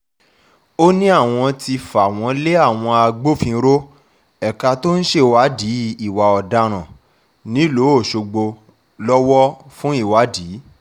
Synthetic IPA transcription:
o˦nĩ˦a˦˨w̃ɔ̃˧ti˧fa˨w̃ɔ̃˨˧le˦a˦˨w̃ɔ̃˧a˧ɡ͡bo˦fĩ˧˦ɾo˦ | ɛ˨ka˧to˦ñ̩˦ʃe˦˨wa˨˦di˨˦i˨wa˨ɔ˨da˧ɾ̃ã˨ | nĩ˦lo˨˦o˦˨ʃo˧ɡ͡bo˧ | lɔ˦wɔ˦fũ˦i˦˨wa˨˦diː˨˦

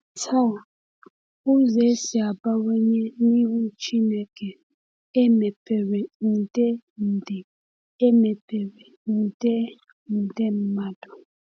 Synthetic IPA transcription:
tʰa˦˨ | u˦zɛ˨˦si˨a˨ba˦wɛ˦ɲɛ˦ni˦u˦t͡ʃi˦nɛ˨kɛ˨ | ɛ˦mɛ˨pɛ˨wɛ˨n̩˨dɛ˦n̩˨dɛ˨ | ɛ˦mɛ˨pɛ˨wɛ˨n̩˨dɛ˦ | n̩˨dɛ˦m̩˦ma˦dɔ˨

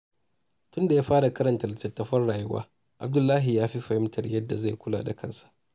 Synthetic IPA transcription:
tʊ˦nda˨jaː˦ɸaː˦ɽa˨kɐ˦ɾɐ˨ntɐ˨rtɐ˨tːɐ˨ɸɐ˦rɽaː˨jʊ˦wa̰ː˦ | ʔa˨b̚dʊ˦lːaː˦ɦi˨jaː˦ɸi˦ɸɐ˨hɪ˦mtʰɐ˨rjɐ˦dːa˨za˦˨jkʷʊ˦la̰ː˨da˨kɐ˦nsḁ˨ʔ

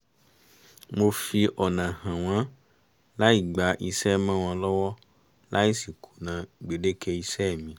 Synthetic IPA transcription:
mo˧fi˧ʔɔ˨nã˨hã˨w̃ã˨˦ | la˦i˦˨ɡ͡ba˨ʔi˧sɛ˦mã˦w̃ã˧lɔ˦wɔ˦ | lʔa˦i˦si˨kʰu˨nã˨ɡ͡be˨de˦kʰe˦i˧sɛ˦˨mĩ˧

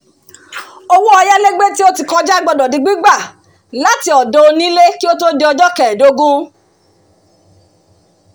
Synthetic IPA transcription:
o˧wu˦ɔ˧ja˦le˦ɡ͡be˦ti˦o˦ti˧˨kɔ̃˧d͡ʒa˦˨ɡ͡bɔ˧dɔ˨di˨˧ɡ͡bi˦ɡ͡ba˦˨ | la˨˦ti˧ɔ˨dɔ˨˧o˧nĩ˦le˦ki˦o˦to˦de˧ɔ˧d͡ʒɔ˦kɛ˨do˨˦ɡũ˦

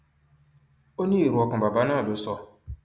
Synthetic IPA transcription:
o˦ɲe˦i˨ɾu˨˦ɔ˦kʊ̃˨ba˨ba˦na˦˨dʊ˨˦sɔ˦

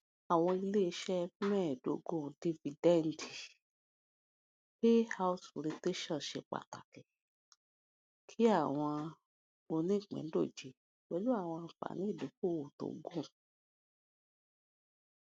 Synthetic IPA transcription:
a˨w̃ɔ̃˧i˧le˦i˧˦ʃɛ˦fi˦mɛ̃˦˨do˨˦ɡõ˦˨di˧fi˧dɛ˦n˨˦di˨ | be˦ha˦u˦sɾe˧te˦ʃɔ̃˦˨ʃe˧k͡pa̰˨ta̰˨kɛ˨ | kʰi˦a˦˨w̃ɔ̃˧ | o˧nĩ˦i˦˨k͡pɛ̰̃˨n˦do˦˨d͡ʒi˨˦ | wɛ˦lu˦a˦˨w̃ɔ̃˧fa̰˨nĩ˨˦i˦˨do˨˦ko˦˨o˨to̰˨˦ɡõ˦˨

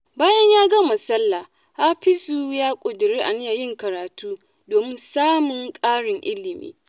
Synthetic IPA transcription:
baː˦jɐ˦ɲjaː˦ɡa˦mɐ˨sɐ˦lːa˨ | ʔaː˦ɸɪ˦su˨jaː˦kʷʼʊ˨dɪ˨ɾeː˦ʔa˨nɪ˦ja˨jɪ˦˨ŋkɐ˨ɾaː˨tuː˦ | doː˨mɪ˦nsaː˦mʊ˨ŋkʼaː˦ɽɪ˨ŋʔɪ˦lɪ˨mḭː˦

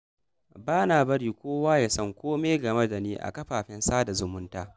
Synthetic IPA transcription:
baː˦naː˨bɐ˦ɽiː˨kʷoː˦waː˦ja˨sɐ˦˨ŋkʷoː˦meː˦ɡɐ˨mɐ˦da˨niː˦ʔa̰˨kɐ˦ɸaː˨ɸɛ˦nsaː˦da˨zʊ˨mʊ˦ntaː˦

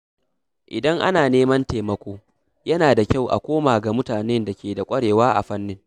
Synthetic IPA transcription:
ʔɪ˨dɐ˦ŋʔa̰˦naː˨neː˦mɐ˦nteː˨mɐ˦kʷoː˦ | jɐ˦naː˨da˨kʲa˦˨wʔa̰˨kʷoː˦maː˨ɡa˨mʊ˦taː˨nɛ˦nda˨kʲeː˨da˨kʷʼɐ˦ɽeː˨waː˦ʔa̰˨ɸɐ˦nːɪ˦ŋ

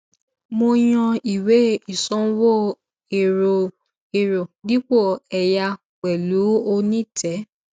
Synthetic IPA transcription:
mo˧j̃ɔ̃˧i˨we˨˦i˦˨sɔ̃˦wo˦ | e˨ɾo˨ | e˨ɾo˨di˦k͡po˦˨ɛ˨ja˧ | k͡pɛ˨lu˨˦o˧nĩ˦tʰɛ˨˦

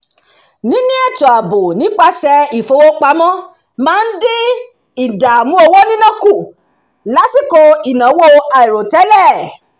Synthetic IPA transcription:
nĩ˨˦nĩ˦ɛ˦˨to˨a˨bo˨nĩ˨˦k͡pa˦sɛ˧i˨fo˧wo˦k͡pa˧mɔ̃˦ | mãː˦n̩˦de˦ | i˨da˨mũ˦o˧wo˦nĩ˦nã˦ku˦˨ | la˨˦si˦˨ko˧i˨nã˨˦wo˦a˨i˨ɾo˨tɛ˨˦lɛ˦˨

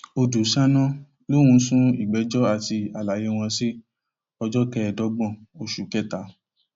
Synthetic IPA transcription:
o˧du˨ʃã˦nɔ̃˦ | lo˦wũ˧˦sũ˦i˦˨ɡ͡bɛ˨˦d͡ʒɔ˦a˦˨ti˧a˨la˨˦je˦w̃ɔ̃˧si˦ | ɔ˧d͡ʒɔ˦kɛ˦ɛ˨dɔ˨˦ɡ͡bɔ̃˦˨o˨ʃu˨kɛ˦˨ta˨˦

